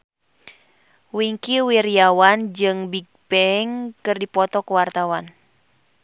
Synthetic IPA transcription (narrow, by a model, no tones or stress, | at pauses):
wiŋkiwirijawand͡ʒɨŋbiɡ̚bɛŋkɨrdipɔt̪ɔkuwart̪awan